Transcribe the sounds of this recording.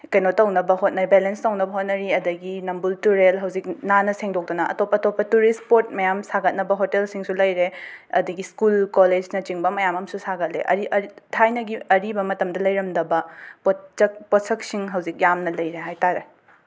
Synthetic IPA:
kɐjnotɐwnɐbɐɦot̚nɐɾibelenstɐwnɐbɐɦot̚nɐɾiɐdɐɡinɐmbultuɾelɦɐwzik̚nanɐseŋdok̚donɐʔɐ̰topːɐtopːɐtuɾispoɾt̚mɐjamsaɡɐt̚nɐbɐɦotelsiŋsulɐjɾeɐ̰dɐɡiskulkoled͡ʒnɐt͡ʃiŋbɐmɐjamɐmsusaɡɐt̚lḛʔɐ̰ɾiʔɐɾitʰajnɐɡiɐɾibɐmɐtɐmdɐlɐjɾɐmdɐbɐpoɐk̚pot̚sɐk̚siŋɦɐwzik̚jamnɐlɐjɾeɦajtaɾe

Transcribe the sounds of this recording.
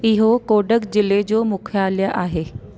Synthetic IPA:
ɪɦokoːɖəkd͡ʑɪled͡ʑoːmʊkʰjaːljəʔaːɦeː

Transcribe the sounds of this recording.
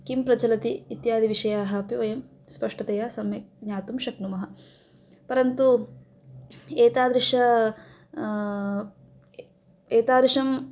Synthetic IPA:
kimpɾɐt͡ʃɐlɐt̪iːt̪jaːd̪iʋiʂɐjaːɦɐɐpiʋɐjɐm | spɐʂʈɐt̪ɐjaːsɐmjɐkɲaːt̪umʃɐknumɐɦɐ | pɐɾɐnt̪u | eːt̪aːd̪ɾiʂɐ | eːt̪aːd̪ɾiʂɐm

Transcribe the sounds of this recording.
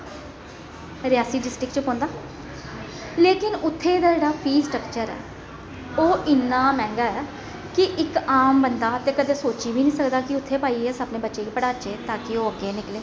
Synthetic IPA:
ɾɪjaːsiːɖɪsʈɪkt͡ʃəpɔ̃ːnd̪aː | leːkɪnʊt̪ʰːeːd̪aːd͡ʒeːɽaːpʰiːsʈɾəkt͡ʃəɾɛ̰ː | oːʔɪnːãːmɛ̃ːŋɡaːɛː | kɪʔɪkaːmbənd̪aːt̪eːkəd̪eːsoːt͡ʃiːʋiːnĩːsəkd̪aːkɪʊt̪ʰːeːpaːiːɛsaːpneːbətːʃeːkiːpəɽaːt͡ʃeːt̪ãːkɪoːəkːenɪkleː

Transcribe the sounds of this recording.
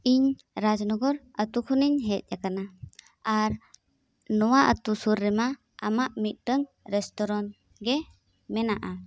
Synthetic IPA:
iɲ | ɾad͡ʒnɔɡɔɾ | at̪ukʰɔniɲɦɛt̪̚jakana | aɾ | nɔwaʔə̰t̪usuɾːɛma | a̰maʔmit̪̚ˀdəŋ | ɾɛstɔɾɔn | ɡɛ | mɛnaʔa

